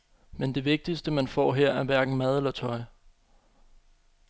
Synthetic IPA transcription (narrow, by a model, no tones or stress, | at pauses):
mend̥e̝ʋe̝ɡ̥̚d̥isd̥əmænfɒ̰ːɦeɐ̰æɐʋæɐɡ̥n̩mæð̞ˠlɒt͡sʰɒ̽ɪ